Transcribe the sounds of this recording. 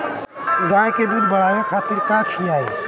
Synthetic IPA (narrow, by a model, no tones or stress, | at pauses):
ɡãjked̪ud̪bəɽ̤abekʰat̪iɾkãt͡ʃʰiai